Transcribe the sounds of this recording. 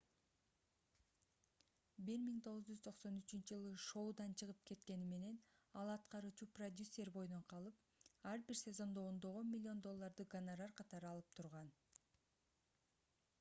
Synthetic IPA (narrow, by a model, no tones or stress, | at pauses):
biɾmiŋt̪ʰo̞ʁuzd͡ʒyz̥t̪ʰo̞qso̞nyt͡ʃynt͡ʃid͡ʒɯlˠɯʃo̞wd̪ɑnt͡ʃʰɯʁɯp̚kʰe̞t̪ke̞nime̞ne̞nɑlˠɑt̪qɑɾuːt͡ʃuprod̪ʲusʲːe̞ɾbo̞jno̞ɴqʰɑlˠɯp̚ | ɑɾbiɾsʲe̞zo̞nd̪o̞ːnd̪o̞ʁo̞nmʲilʲːɪo̞nd̪o̞lˠːɑɾd̪ɯɡanaɾarqʰɑt̪ɑɾɯɑlˠɯp̚t̪ʰuɾʁɑn